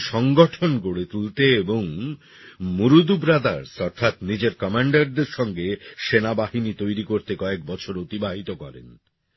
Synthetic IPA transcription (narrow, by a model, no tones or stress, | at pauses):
ʃɔŋɡoʈʰonɡoɽet̪ult̪eeboŋ | muɾud̪ubɾad̪aɾsɔɾt̪ʰat̪nid͡ʑeɾkɔmaɳɖaɾd̪eɾʃɔŋɡeʃenabaɦinit̪ojɾikoɾt̪ekɔek̚bɔt͡ɕʰoɾot̪ibaɦit̪okɔɾḛn